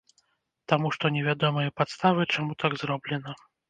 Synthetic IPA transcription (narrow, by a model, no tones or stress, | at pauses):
t̪amuʂt̪ɔnʲɛvʲad̪ɔmɐjɐpat̪st̪avɨt͡ʂamut̪aɡzɾɔblʲɛnɐ